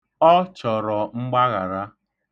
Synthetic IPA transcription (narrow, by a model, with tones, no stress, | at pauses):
ɔ˦t͡ʃɔ˨ɾɔ˨ŋ͡m̩˦ɡ͡ba˦ɣa˨ɾa˦